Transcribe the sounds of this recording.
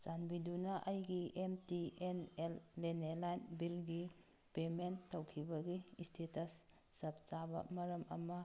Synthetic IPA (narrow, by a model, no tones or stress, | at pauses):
t͡ʃanbidunaʔɐjɡiʔemtienelːenelajnbilɡi | pemenːawkʰibɐɡistʰetɐsː | ɐp̚t͡ʃabɐ̰mɐɾɐmʔɐ̰mɐ